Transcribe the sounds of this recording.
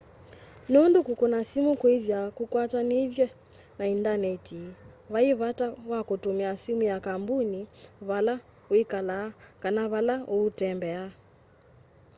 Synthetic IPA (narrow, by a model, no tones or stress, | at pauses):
nundukukɔnasimukuiðjakukwatanivjɛ | naindanɛtʰiβaiβatawakutumiasimujakambuniβala | wikalaːkanaβalaʔuutɛmbɛa